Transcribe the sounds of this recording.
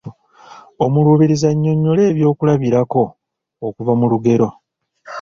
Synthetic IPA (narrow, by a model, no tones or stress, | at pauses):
omuluːβiɾizaɲːo̞ɲːo̞le̞ːβjo̞ːkulaβiɾako̞ː | kuvamuluɡe̞ɾo̞